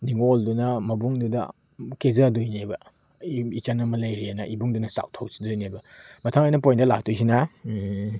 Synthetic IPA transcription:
niŋoldunɐmɐbuŋdudɐ̰ | kezadojnebɐ | it͡ʃanɐmɐlajɾianɐʔibuŋdunɐsa̰w̚tʰawsi̥dojnebɐmɐtʰaŋajnɐpojndɐla̰k̚tʰujs̬ina

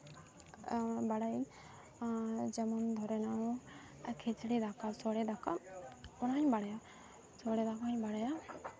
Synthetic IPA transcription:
baɽaj | d͡ʒɛmɔnd̪ʱɔɾɛnã | kʰet͡ʃɽid̪akasɔɽɛd̪aka̰ɔnaɲbaɽaja | sɔɽɛd̪akaɲbaɽaja

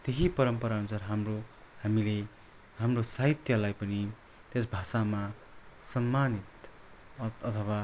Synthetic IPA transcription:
t̪eɦipʌɾʌmpʌɾanusʌrɦamro | hamile | ɦamrosaɦit̪jʌlajpʌni | t̪es̬bʱasama | sʌmːanit̪ | ʌt̪ʰʌwa

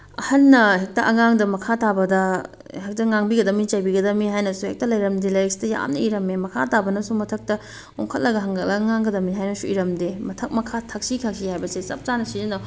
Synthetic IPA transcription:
ɐ̰hɐnːɐhek̚tɐʔɐŋaŋdɐmɐkʰatabɐdɐ | hek̚tɐŋaŋbiɡɐdɐmit͡ʃajbiɡɐdɐmiɦajnɐsuhek̚tɐlɐjɾɐmdilɐjɐksi̥tɐja̰mnɐ̰iɾɐmemɐkʰa̰tabɐnɐsumɐtʰɐk̚tɐ | oŋkʰɐt̚lɐɡɐɦɐŋɡɐt̚lɐɐŋaŋɡɐdɐmiɦajnɐsuiɾɐmdemɐtʰɐk̚mɐkʰatʰɐk̚sikʰak̚sihajbɐsesɐ̰p̚t͡ʃanɐsizɐna

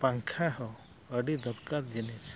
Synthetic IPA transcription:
paŋkʰaɦɔ | əɖid̪ɔɾkaɾd͡ʒinet͡ʃ

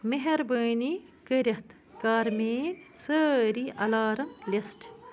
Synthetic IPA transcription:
meɦɐɾbəːni | kəɾʲɐht̪ | kaːɾmeːnsəɾiʔɐlaːɾɐmlʲɐsʈ

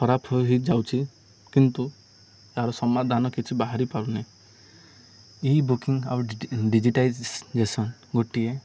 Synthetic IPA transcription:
kʰɔɾapʰɔjɦid͡ʒawt͡ʃʰi | kint̪u | aɾɔsɔmad̪ʱanɔkit͡ʃʰibaɦaɾipaɾune | ibukiŋa̰ɾuɖid͡ʒiʈajd͡ʒd͡ʒesɔnɡoʈie

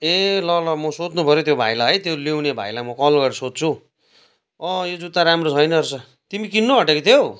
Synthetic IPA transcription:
elʌlʌmʌsod͡znupʌɾjot̪jobʱa̰jlaɦʌjt̪jolewnebʱa̰jlamʌkʌlɡʌɾsod̪̚t͡sʰu | ʌjod͡zut̪aɾamrot͡sʰʌjnʌrsʌ | t̪imikinːoɦʌʈekit̪ʰjo

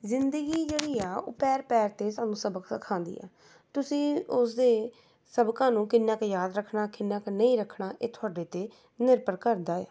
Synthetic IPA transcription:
zɪnd̪əɡiːd͡ʒeːɽiːaːo̰ːpɛːɾpɛːɾt̪eːsaːnũːsəbəksəkʰãːnd̪ḭːɛ̰ː | t̪ʊsĩːʊsd̪eː | səbkãːnũːkɪnːãːkejaːd̪ɾəkʰːnaːkɪnːãːkːnəĩːɾəkʰːɳaːʔeːt̪ʰʊaːɖeːt̪eː | nɪɾpəɾkəɾd̪aːḛː

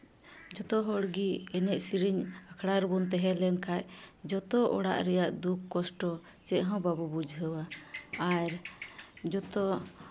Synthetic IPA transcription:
d͡ʒɔt̪ɔɦɔɽɡiɛnɛʔsiɾiɲakʰɽaɾbɔnt̪̬ɛɦɛlɛnkʰajd͡ʒɔt̪ɔʔɔ̰ɽa̰ʔɾɛjaʔd̪ukːɔsʈɔ | t͡ʃɛʔɦɔ̃babubud͡ʒʱɦəwaaɾ | d͡ʒɔt̪ɔ

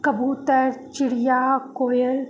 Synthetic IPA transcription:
kɐbuːt̪əɾt͡ʃɪɽijaːkoːjəl

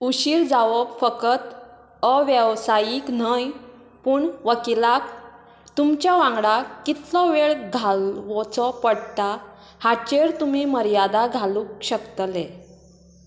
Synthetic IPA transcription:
uɕiːɾd͡zaʋɔkfəkət̪ | əʋjəʋsajiːknəj | puːɳʋəkilak | t̪umt͡ɕjaʋãŋɡɽakːit̪lɔʋeɭɡʱalʋɔt͡sɔpəɽt̪a | hat͡ɕeɾt̪umiməɾjad̪aɡʱalũːkɕəkt̪əle

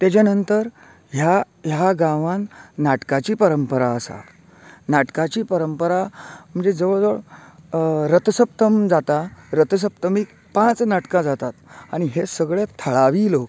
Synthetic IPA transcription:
t̪jat͡ɕjanənt̪əɾ | ɦja | ɦjaɡãʋãnːaʈkat͡ɕiːpəɾəmpəɾaəsa̰ | naʈkat͡ɕiːpəɾəmpəɾam̤əɳd͡zed͡zəʋəɭd͡zəʋəɭ | ɾət̪səp̚t̪əmd͡zat̪aɾət̪əs̬əp̚t̪əmiːk | pãt͡snaʈkãd͡zat̪at̪aɽ̃iɦesəɡɭet̪ʰəɭaʋiːlok

